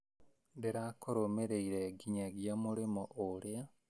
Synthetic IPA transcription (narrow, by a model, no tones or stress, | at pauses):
ndeɾakoɾomeɾeiɾeɡiɲaɡjamuɾimoʔoɾja